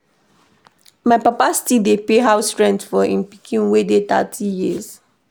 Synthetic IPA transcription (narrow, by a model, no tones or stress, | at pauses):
maɪpapastidepeɦaʊsɹɛ̃ntfɔʔĩnpi̥kʰĩnwedet̪a̰tʰijiz